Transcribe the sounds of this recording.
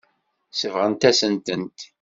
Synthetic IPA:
səvʁənt̪æsənt̪ənt̪

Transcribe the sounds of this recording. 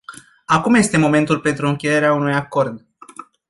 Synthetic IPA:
akumje̞st̪e̞mo̞me̞nt̪ulpe̞nt̪ɾuɨŋkʲeje̞ɾeaunujako̞rd̪

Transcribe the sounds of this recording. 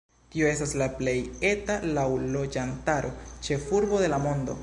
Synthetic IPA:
tio̞e̞staslaple̞je̞talawlo̞d͡ʒantaɾʔo̞t͡ʃe̞fuɾbo̞de̞lamo̞ndo̞̰

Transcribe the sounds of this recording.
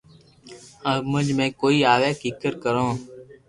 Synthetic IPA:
əmə̃d͡ʒmẽːkoːiːaːʋeːkiːkəɾkəɾõː

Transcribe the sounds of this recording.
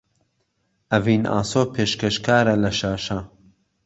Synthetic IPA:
ɐviːnʔa̰ːsoːpʰeːʃkɐʃkaːɾɐlɐʃaːʃɐ

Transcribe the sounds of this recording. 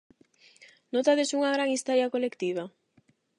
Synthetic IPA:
not̪aðesuŋaɣɾaŋist̪oɾjakolekt̪iβ̞a

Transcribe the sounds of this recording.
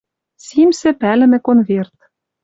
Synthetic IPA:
simsɘ̆pælɘ̆mɘ̆konvert̪

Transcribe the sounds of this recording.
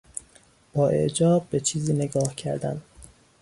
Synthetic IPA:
b̥ɒːʔe̞̰ʔd͡ʒɒːb̚ːet͡ʃʰiːziːneɡɒːhcʰæɾd̪æ̰n

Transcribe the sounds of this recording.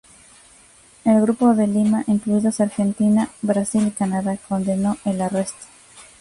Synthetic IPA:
elɣɾupo̞ðe̞limaʔiŋkluiðosaɾxe̞nt̪inabɾasilikanaðako̞nd̪e̞no̞ʔe̞lare̞st̪o̥

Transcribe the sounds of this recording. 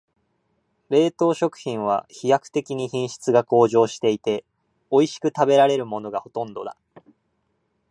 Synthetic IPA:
ɾe̞ːt̪o̞ːɕo̞kɯ̟̥çĩɰ̃β̞a̰çijakɯ̟̥t̪e̞kʲiɲ̟içĩɰ̃ɕi̥t͡sɨɡako̞ːʑo̞ːɕi̥t̪e̞it̪e̞ | o̞iɕi̥kɯ̟t̪abe̞ɾaɾe̞ɾɯ̟mo̞no̞ɡaho̞t̪õ̞nd̪o̞̰d̪a̰

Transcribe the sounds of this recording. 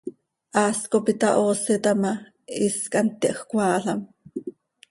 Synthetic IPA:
ʔɑːskopit̪ɑʔoːsɛt̪ɑmɑ | iskant̪ːiʔxkʷɑːɬɑm

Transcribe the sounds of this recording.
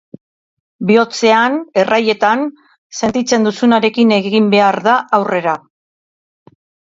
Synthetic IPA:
bio̞t͡se̞ane̞raje̞t̪an | se̞nt̪it͡se̞nd̪usunaɾe̞kine̞ɣɣimbe̞aɾðaʔawre̞ɾa

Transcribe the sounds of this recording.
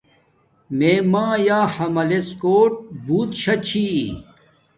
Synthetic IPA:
meːmãːjaːhɐmɐleskoːʈ̚buːt̪ɕʰɐt͡ɕʰi

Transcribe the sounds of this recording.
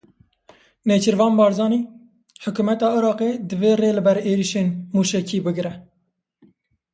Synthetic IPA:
neːt͡ʃɨɾvɑːnbɑːɾzɑːniː | ħʊkuːmɛt̪ɑːɨɾɑːqeːd̪ɨveːreːlɨbɛɾeːɾiʃeːnmuːʃɛkʰiːbɨɡɾɛ

